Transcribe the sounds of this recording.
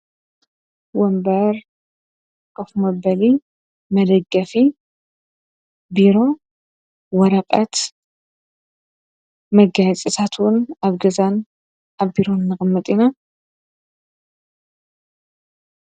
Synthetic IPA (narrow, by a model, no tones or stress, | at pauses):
wɔmbɐɾ | kʼofmɐbɐli | mɐd̪ɐɡːɐfi | biɾo̞ | wɔɾɐqʼɐt̪ | mɐɡajt͡sʼit̪ʰat̪ʰwʊnaβɡɐzan | ʔaβbiɾo̞nnːɨxʼɨmːɨt̪ʼina